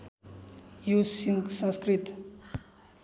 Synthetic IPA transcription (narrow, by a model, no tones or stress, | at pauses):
jussiŋsʌ̃ŋskɾit̪